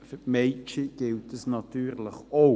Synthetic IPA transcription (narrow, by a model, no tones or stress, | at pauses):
fəmeɪt͡ʃiɡ̥ɪltəsnɑtyːʁləχo